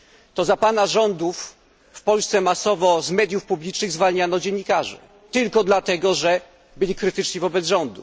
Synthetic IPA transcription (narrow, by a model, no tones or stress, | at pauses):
t̪ɔzapanaʐɔnd̪ufː | pɔlst̪sɛmasɔvɔzmɛd̪ʲjufpublʲit͡ʂnɘɣzvalɲanɔd͡ʑɛnːikaʐɛ̰ | t̪ɘlkɔd̪lat̪ɛɡɔʐɛ | bɘlʲikɾɘt̪ɘt͡ʂɲivɔbɛd̪zʐɔnd̪u